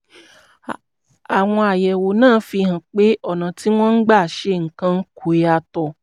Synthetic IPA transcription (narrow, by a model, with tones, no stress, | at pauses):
a˨w̃ɔ̃˧a˨jɛ˨wo˨nãː˦˨˦fi˧hã˨k͡pe˦ɔ˦˨nã˨ti˦w̃ɔ̃˦n̩˦ɡ͡ba˦˨ʃe˦˨ŋ̩˨kã˧n̩˦ku˨e˨˦a˧tɔ˧˨